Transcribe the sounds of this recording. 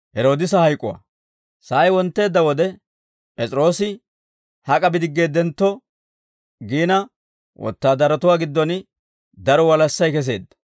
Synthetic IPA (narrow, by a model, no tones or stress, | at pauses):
hɛɾo̞ːd̪ɪsɐhɐjkʼːʊwa̰ | saːjwɔnt̪ːe̞ːd̪ːɐwɔd̪ɛ | pʼɛt͡sʼɪɾo̞ːsɪ | hɐkʼɐbɪd̪ɪɡːe̞ːd̪ɛnt̪ːɔ | ɡiːnɐ | wʔɔ̰t̪ːaːd̪ɐɾɐt̪ʊwaːɡɪd̪ːɔn | d̪ɐɾɔwɐlɐsːɐjkɛs̬e̞̰ːd̪ːɐ̥